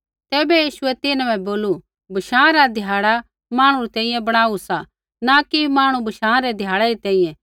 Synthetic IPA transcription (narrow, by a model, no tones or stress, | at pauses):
t̪ɛːbɛjiːʃʊɛt̪ɪnbɛ̃boːlu | bʱɐʃãːɾad̪ʱjaːɽa | maːɽ̃uɾit̪ɛ̃ːĩjɛ̃bɐɽ̃aːusa | nakimaːɽ̃ubʱɐʃãːɾɛd̪ʱjaːɽɛɾit̪ɛ̃ːĩjɛ̃